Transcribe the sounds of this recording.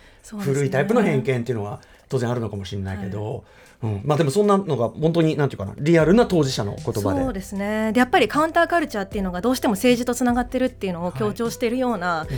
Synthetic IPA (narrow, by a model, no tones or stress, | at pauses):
soːɸɯ̟ɾɯ̟it̪aipɯ̟no̞hẽ̞ŋkẽnt̪e̞iɯ̟no̞ɡa | t̪o̞ːzẽaɾɯno̞kamo̞ɕĩnːaike̞d̪o̞̰ | ɯ̟̃ɴmaːd̪e̞mo̞sõnːano̞ɡahõnt̪̬o̞ɲ̟inãnt̪ejɯkana̰ɾʲiaɾɯ̟nat̪o̞ːʑiɕano̞̰ko̞t̪oba̰oed̪e̞sɨne̞d̪e̞japːaɾʲikãɯ̃nt̪aːkaɾɯ̟t͡ɕaːt̪ːe̞iɯ̟no̞ɡad̪o̞ːɕi̥t̪e̞mo̞se̞ːʑit̪o̞t͡sɨnaɡat̪ːe̞ɾɯ̟t̪ːe̞iɯ̟no̞okʲo̞ːt͡ɕo̞ːɕi̥t̪e̞ɾɯ̟jo̞ːna